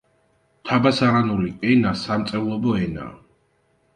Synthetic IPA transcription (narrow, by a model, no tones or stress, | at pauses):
t̪ʰabasaʁanuɾiɛnasamt̪sʼɛvlˠɔbɔɛna̰